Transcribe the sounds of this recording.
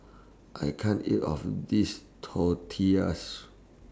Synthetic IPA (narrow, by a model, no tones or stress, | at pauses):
ʔajkʰãnitɔ̰fdistʰɔtʰiəs